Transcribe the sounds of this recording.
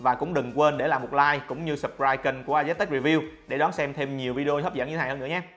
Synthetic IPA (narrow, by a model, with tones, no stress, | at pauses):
vaː˨˩kʊ̰˧˥ŋ͡mɗɨ˨˩ŋkwe˧nɗe˧˩laː˨˩mo˨˩t̚laː˧jkʊ̰˧˥ŋ͡mɲɨ˧sə˨˩p̚kɹaː˧jki˧ŋku˧˩əʔaː˧zɛ˦˥t̪ɛ˦˥k̚i˧˩vi˧wɗe˧˩ɗɔ˨˦nsɛ˧mt̪ʰe˧mɲi˨˩əwvi˧ɗi˧o˧t̪ʰə˦˥p̚zə̰˧˥nɲɨ˧˦˨hə˧nɨ̰˧˥ə˦ɲaː˨˦˥